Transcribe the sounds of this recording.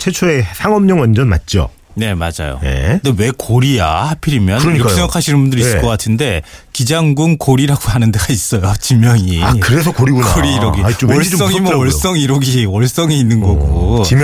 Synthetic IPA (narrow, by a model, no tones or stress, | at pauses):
t͡ɕʰet͡ɕʰoesʰaŋʌmɲʌŋwand͡ʑʌnma̰t̚t͡ɕ͈o̰ | ne̞mad͡ʑa̰jo̰nḛndewe̞koɾija̰hapʰiɾimjʌnkɲiɾʌkkesʰeɡaakʰaɕʰinɯnbundɯɾiss͈ɯkkʌk͈atʰɯnde̞kid͡ʑaŋɡunkoɾiɾaɡoɦanɯnde̞ɡais͈ʌjot͡ɕimjʌŋiakɯɾes̬ʰʌkoɾiɡunaoɾiːɾʌɡit͡ɕoʌɭ͈ʌŋimʌʌɭs͈ʌŋiɾʌɡiwʌɭs͈ʌŋiinːɯnɡʌɡut͡ɕim